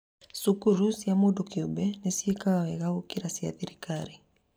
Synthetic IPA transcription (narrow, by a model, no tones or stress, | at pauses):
sukuɾusiamuɗukiuɓɛnɛsiikaawɛɣaukiɾasia̰ðiɾikaɾi